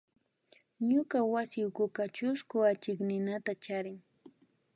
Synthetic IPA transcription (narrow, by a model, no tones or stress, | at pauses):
ɲʊkawasɪʊkʊkat͡ʃʊskʊat͡ʃɪknɪnat̪at͡ʃaɾɪŋ